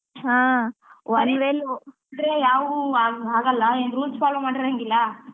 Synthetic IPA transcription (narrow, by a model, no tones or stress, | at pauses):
ɦaːʋɐnʋeːlu | nd̪ɾejaːʋuaaːɡɐlːɐend̪ɾuːt͡ʃpaːlomaːɖeɾɐŋɡilːɐ